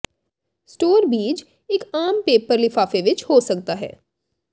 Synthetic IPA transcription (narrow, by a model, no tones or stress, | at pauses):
sʈoːɾbiːd͡ʒ | ɪkaːmpeːpəɾlɪfaːfeʋɪt͡ʃhoːsɐk̚t̪aɦɛ̰ː